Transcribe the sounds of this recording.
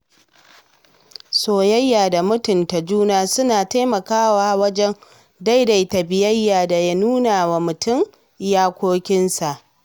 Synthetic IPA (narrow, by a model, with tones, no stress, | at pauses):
soː˨jɐ˦jːaː˨da˨mʊ˦tʊ˨nta˨d͡ʒuː˦naː˦sʊ˦naː˨ta˦jmɐ˨kaː˦waː˦wɐ˦d͡ʒɛ˦n | da˦jda˨jtɐ˨bɪ˨jɐ˦jːaː˨da˨ja˦nuː˦naː˨wa˨mʊ˨tʊ˦˨m˦ | jaː˦kʷoː˦kʲɪ˦nsa˨ʔ